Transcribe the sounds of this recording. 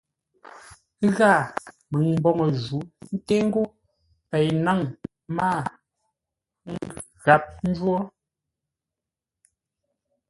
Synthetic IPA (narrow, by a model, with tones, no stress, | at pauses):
ɣa˦˨ | mɨ˨ŋm˦bɔ˦˨ŋɔ˨zu˨˦n̩˦te˦ŋ̩˦ɡo˦ | pɛ˨jna˦˨ŋ | ma˦˨ | ŋ˦˨ | ɣa˨˦p̚n̩˦d͡ʒwɔ˦